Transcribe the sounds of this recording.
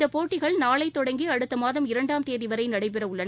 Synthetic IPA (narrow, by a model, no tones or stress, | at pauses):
d̪ɐpoːʈːɪɣɐɭnaːɭɐɪt̪ːɔɽɐŋɡiɐɽɯt̪ːɐmaːðɐmɪɾɐɳɖaːmt̪eːðɪʋɐɾɐɪnɐɽɐɪp̬ɛɾɐʋɯɭːɐn